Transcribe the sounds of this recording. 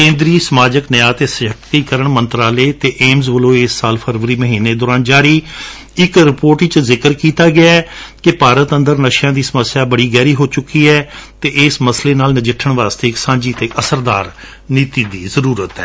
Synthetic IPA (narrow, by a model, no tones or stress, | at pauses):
kẽːnd̪ɾiːsəmaːd͡ʒəknəjaːt̪eːsɪəkiːkəɾəɳmənt̪ɾaːleːt̪eːʔeːmzʋəlõːɪsːaːlpʰəɾʋəɾiːməɦiːneːd̪ɔːɾaːnd͡ʒaːɾiː | ɪkɾɪpoːɾʈɪt͡ʃzɪkəɾkiːt̪aːɡɪaːɛːkɪpaːɾət̪ənd̪əɾnəʃjãːd̪iːsəməsːjaːbəɽiːɡɛːɾiːɦoːt͡ʃʊkːiːɛːt̪eːʔɪsməsleːnaːlnəd͡ʒɪʈʰːəɳʋaːst̪eːɪksãːd͡ʒiːt̪eːʔəsəɾd̪aːɾ | niːt̪iːd̪iːzəɾuːɾət̪ɛ̰ː